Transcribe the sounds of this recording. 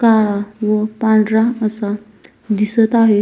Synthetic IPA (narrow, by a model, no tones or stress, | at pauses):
kaɾaʋəpãɳɖɾaəsa | d̪isət̪aɦe